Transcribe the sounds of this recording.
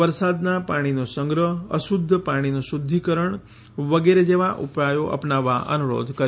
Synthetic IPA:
ʋəɾsad̪napaɽ̃inosəŋɡɾəɦəʃud̪ʱːpaɽ̃inosud̪ʱːikəɾəɳ | ʋəɡeɾed͡ʒeʋaʔṵpɾajoʔə̰pnaʋːaʔə̰nuɾo̰d̪ʱkəɾ

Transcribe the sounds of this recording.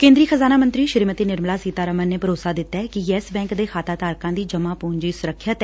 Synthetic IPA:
kẽːnd̪ɾiːxʰəzaːnaːmənt̪ɾiːʃɪɾiːmət̪eːnɪɾmlaːsiːt̪aːɾəmənneːpʰəɾoːsaːd̪ɪt̪ːaːɛkɪɛːsbɛ̃ːŋkd̪eːxʰaːt̪aːt̪aːɾkãːd̪iːd͡ʒəmaːpoːɲd͡ʒiːsʊɾəkʰːət̪

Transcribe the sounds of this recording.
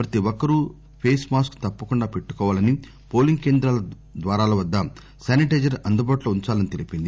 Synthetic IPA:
pɾɐt̪iɔkːɐɾu | pʰeːsmaːskt̪ɐpːɐkuɳɖaːpeʈːu̥kɔːʋaːlɐni | po̞ːliŋɡke̞ːnd̪ɾaːlɐ | d̪ʋaːɾaːlɐʋɐd̪ːɐ | saːniʈeːd͡ʒɐɾɐnd̪ubaːʈloːuɲt͡ʃaːlɐnit̪elipind̪i

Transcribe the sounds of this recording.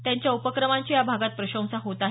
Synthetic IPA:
t̪jãɲt͡ɕjaupəkɾəmãɲt͡ɕijabʱaɡat̪̚pɾəɕə̃w̃saɦot̪a

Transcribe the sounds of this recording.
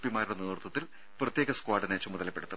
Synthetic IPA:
pimaːɾiɽonɐɨrt̪ːɐt̪ːil | prɐt̪jeːɣɐskwaːɖɐnet͡ɕːumuðɐlɐpːe̞ɽut̪ːɨ

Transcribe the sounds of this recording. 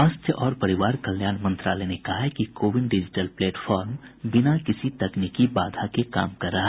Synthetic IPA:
aːst̪ʰjəʔɔːɾpɐɾɪʋaːɾkɐljaːnmɐ̃nt̪ɾaːlenekɐɦakikoːʋɪɖɖɪd͡ʒɪʈəlpleːʈfʰɔːɾmbɪnakɪsit̪ɐknikibaːd̪ʱakeka̰ːmkɐɾːɐɦa

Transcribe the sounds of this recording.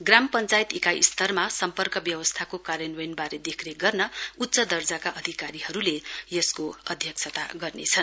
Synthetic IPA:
ɡrampʌnt͡sajit̪ikaḭst̪ʰʌrmasʌmpʌrkʌbjʌwʌst̪ʰakokaɾjʌnwʌjnbaɾed̪ekʰneɡʌrnʌut̪ːsʌd̪ʌrd͡zakaʔʌd̪ʱikaɾiɦʌɾulejʌskoʌd̪ʱjʌksʰʌt̪a̰ɡʌrnet͡sʰʌn

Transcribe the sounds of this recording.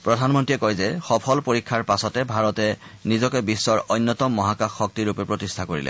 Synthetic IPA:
pɹɔdʱanmɔntiɛkɔjzɛxɔpʰɔlpoɹikʰːaɹpasɔtɛbʱaɹɔtɛnizɔkɛbisːɔɹɔjnːɔtɔmːɔɦakaxːɔk̚tiɹupɛpɹotistʰakoɹḭlɛ̰

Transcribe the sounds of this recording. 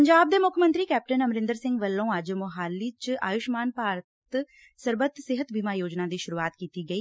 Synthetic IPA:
pəɲd͡ʒaːb̚d̪eːmʊkʰmənt̪ɾiːkɛːp̚ʈənəmɾɪ̃nd̪əɾsɪ̃ŋɡʋəlːõːəd͡ʒmʊɦaːlːiːt͡ʃa̰ːjʊʃmaːnpaːɾət̪ | səɾbət̪sɪɦət̪biːmaːjoːd͡ʒnaːd̪iːʃʊɾuːaːt̪kiːt̪iːɡəiː

